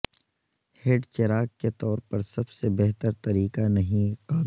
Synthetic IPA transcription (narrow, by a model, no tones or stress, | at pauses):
heɖt͡ʃɐɾaːkket̪ɔːɾpɐɾsɐbsebɛɦt̪əɾt̪ɐɾiːkanɐɦĩqaːb